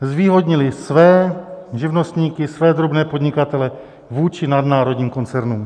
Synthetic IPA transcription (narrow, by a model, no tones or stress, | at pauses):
zviːɦodɲɪlɪsvɛːʒɪvnost̪ɲiːkɪsvɛːd̪ɾobnɛːpod̪ɲɪkat̪ɛlɛ | vuːt͡ʃɪnad̪naːɾo̞dɲiːmko̞nt͡sɛɾnuːm